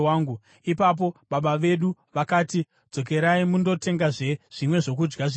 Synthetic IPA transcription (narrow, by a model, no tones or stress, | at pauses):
waːŋɡu | ipap̬o̞ɓaɓaʋe̞ɗuʋakaːti | d͡zo̞k̬e̞ɾaimundo̞te̞ŋɡaʐe̞ʐ̥imwe̞ʐo̞k̬ud͡ʒɡaʐi